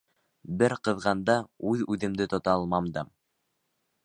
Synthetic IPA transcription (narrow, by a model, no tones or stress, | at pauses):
bɘɾqɤ̆ðʁɑnd̪ɑʉðʉðɘ̆md̪ɘt̪ŏt̪ɑlˠmɑmd̪ɤm